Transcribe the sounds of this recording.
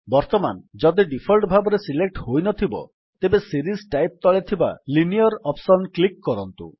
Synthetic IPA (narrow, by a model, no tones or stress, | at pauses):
bɔɾt̪ɔmand͡ʒɔd̪iɖipʰɔlʈbʱabɔɾesilek̚ʈhojnɔt̪ʰibɔ̰ | t̪ebesiɾisʈajp̚t̪ɔɭet̪ʰiba̰linijɔɾɔpsɔnklikːɔɾɔnt̪ṵ